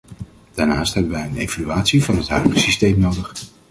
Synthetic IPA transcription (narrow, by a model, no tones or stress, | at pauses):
d̥aːɹnaːstɦɛbənʋɛjənejvalyaːtsivɑnɦətɦœɥdəχəsistejmnowdəχ